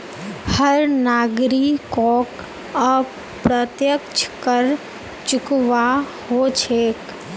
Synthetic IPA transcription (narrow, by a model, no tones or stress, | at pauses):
həɾnaɡɾikɔk | ə | pɾət̪jəkt͡ʃʰkəɾ | t͡ʃʊkʋa | hot͡ʃʰeːk